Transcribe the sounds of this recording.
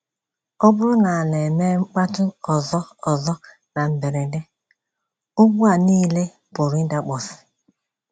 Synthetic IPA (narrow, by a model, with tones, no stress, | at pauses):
ɔ˦bʊ˦ɾʊ˦na˨a˨le˨me˦ŋ͡m̩˦k͡pa˦tʊ˦ɔ˨zɔ˦ɔ˨zɔ˦ | na˨m̩˨be˨ɾe˨de˦ | ʊ˦ɡ͡bu˦a˨niː˦le˦ | pʊ˨ɾi˦da˨k͡pɔ˨si̥˨